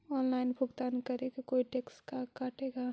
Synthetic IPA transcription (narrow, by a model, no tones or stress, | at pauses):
ɔːnlaːɪnpʰʊɡt̪aːnkɐɾekikoːiʈeːkskakaːʈeːɡaː